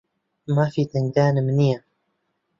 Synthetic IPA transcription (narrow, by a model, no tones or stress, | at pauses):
maːfiːt̪aŋd̪aːnəmnija